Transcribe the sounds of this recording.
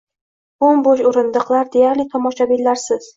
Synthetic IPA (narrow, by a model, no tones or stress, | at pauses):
ʊmboʃʊɾɪnd̪ɨqlˠaɾd̪e̞jaɾlɪt̪ʰɒmɒʃabilːaɾsɪz̥